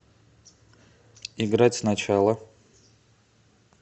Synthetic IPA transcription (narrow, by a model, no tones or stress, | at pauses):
ɪɡɾatʲsnɐt͡ɕalˠə